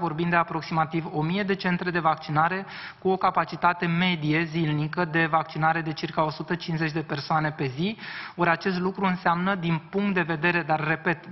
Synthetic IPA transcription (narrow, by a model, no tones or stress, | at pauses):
vo̞rbimd̪e̞apɾo̞ksimat̪ivo̞mije̞d̪e̞t͡ʃe̞nt̪ɾe̞d̪e̞vak̚t͡ʃinaɾe̞ | kuo̞kapat͡ʃit̪at̪e̞me̞d̪ije̞zilnikəd̪e̞vak̚t͡ʃinaɾe̞d̪e̞t͡ʃirkao̞sut̪ət͡ʃinze̞t͡ʃʲd̪e̞pe̞rsoane̞pe̞zioɾʲat͡ʃe̞s̬t̪lukɾuɨnseamnəd̪inpuŋk̚t̪̚d̪e̞ve̞d̪e̞ɾe̞d̪arːe̞pe̞t̪